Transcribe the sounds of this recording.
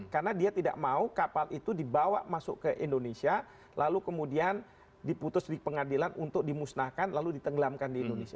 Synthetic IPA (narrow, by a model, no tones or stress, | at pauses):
karnadiat̪ida̰ʔmaukapalit̪udibawa̰ʔmasʊ̰kəʔindonesia | lʔalukəmudian | diput̪ʊsdipəŋadilanʔunt̪ʊk̚dimusnahkanlaludit̪əŋɡlamkandiːndonesia